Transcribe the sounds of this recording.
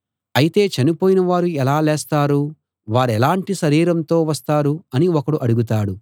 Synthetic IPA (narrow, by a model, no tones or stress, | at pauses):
ɐjit̪e̞ːt͡ʃɐnipoːjinɐʋaːɾuɛlaːleːst̪aːɾu | ʋaːɾɛlaːɳʈiʃɐɾiːɾɐnt̪o̞ːʋɐst̪aːɾuɐniɔkɐɽuʔɐɽuɡut̪̬aːɽu